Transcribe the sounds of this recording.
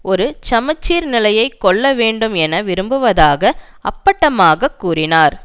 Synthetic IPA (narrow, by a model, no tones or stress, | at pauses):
ɔɾɯt͡ʃɐmɐt͡ʃːiːɾnɪlɐjɐɪkːɔɭːɐʋeːɳɖɯmɛnɐʋɪɾɯmbɯʋɐðaːɣɐ | ɐ̰pːɐʈːɐmaːɣɐkːuːrɪnaːɾ